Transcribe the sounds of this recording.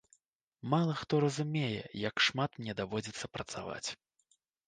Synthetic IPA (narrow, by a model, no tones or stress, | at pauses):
malˠɐxt̪ɔɾɐzumʲejɛ̰jɐkʂmat̪mnʲɛd̪avɔd͡zʲit̪sːɐpɾɐt̪sa̰va̰t͡sʲ